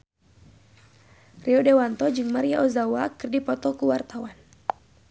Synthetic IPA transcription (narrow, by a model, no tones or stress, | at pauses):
rʔiɔdewant̪ɔd͡ʒɨŋmaɾiaʔɔzawakɨrdipɔt̪ɔkuwart̪awan